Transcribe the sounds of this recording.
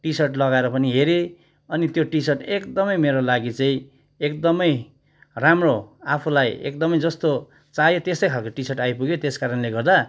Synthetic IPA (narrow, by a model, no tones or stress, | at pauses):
ʈisʌrʈlʌɡaeɾʌpʌniɦeɾe | ʌnit̪joʈisʌrʈekd̪ʌmʌjmeɾolaɡit͡saĩ | ekd̪ʌmʌj | ramroapʰulajḛkd̪ʌmʌjd͡zʌst̪o | t͡sajot̪est̪ʌjkʰalkoʈisʌʈajpuɡjot̪eskaɾʌnleɡʌrd̪a